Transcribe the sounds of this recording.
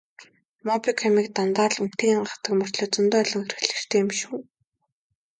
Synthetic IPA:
mɔpikʰamiːk̚t̪ant̪aːɮun̥t̪iːɢaχt̪ə̆kmɵr̥t̪ɮoːt͡sɵnt̪ʊːœɮɞ̆ŋxeɾɘ̆xɮɘ̆r̥t̪ʰeːɪmʃuː

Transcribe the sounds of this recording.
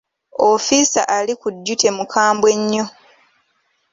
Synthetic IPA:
ofisa̰ʔalikudːute̞mukʰaːmbwe̞ɲːo

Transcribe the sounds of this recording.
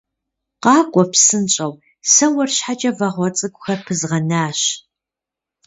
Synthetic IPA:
qɑːɡʷʼɔpsɨnɕʼɐw | sɐwɐrɕħat͡ʃʼɐvɐʁʷɔt͡sʼɨɡʷʼʊxɐpʰɨzʁɐnaːɕ

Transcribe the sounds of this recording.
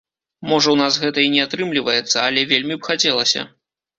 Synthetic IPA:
mɔʐɐwnasɣɛt̪ɐinʲɛat̪ɾɨmlʲivɐjɛt̪sːɐɐlʲɛvʲelʲmʲibxat͡sʲɛlˠɐsʲɐ̰

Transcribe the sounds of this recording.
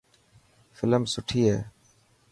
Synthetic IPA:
fɪləmsʊʈʰiːɦeː

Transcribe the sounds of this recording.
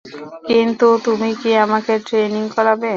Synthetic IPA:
kint̪ut̪umikiamakeʈɾeniŋkɔɾabe

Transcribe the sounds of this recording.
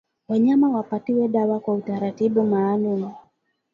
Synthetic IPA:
waɲamawapatiwɛɗawakwautaɾatiɓumaːnuni

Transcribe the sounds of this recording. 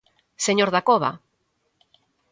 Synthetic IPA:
seɲoɾðakoβa̰

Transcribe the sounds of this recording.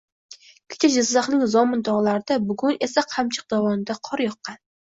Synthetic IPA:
kʲʰɪ̥t͡ʃʰad͡ʒazːaχnɪŋzɒmɪnd̪ɒʁlˠaɾɪd̪abʊɡʊne̞saqʰamt͡ʃʰɨ̥q̚d̪avɒnɪd̪aqʰɒɾjɒqːɑn

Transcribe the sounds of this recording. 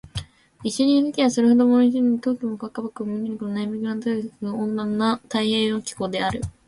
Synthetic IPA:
iɕoɲ̟ĩhɯ̟kʲiβasoɾɯhod̪o̞moiʑiɲit̪o̞ːkʲimokakːabakɯ̟mɯɲʲːiɲikononajamikɯnant̪oisoõnd̪ãnːat̪aihẽɰ̃okʲi̥koːd̪e̞aɾɯ̟

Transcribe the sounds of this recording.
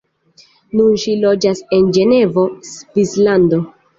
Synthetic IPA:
nunʃilo̞d͡ʒase̞nd͡ʒe̞ne̞vo̞svislando̞

